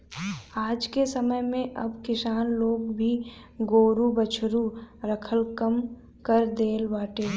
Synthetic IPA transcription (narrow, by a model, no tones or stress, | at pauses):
aːd͡ʒkesəməjmẽʔɐbkɪsaːnloːɡbʱi | ɡoːɾubət͡ʃʰɾuɾəkʰəlkəm | kəɾd̪eːlbaːʈeː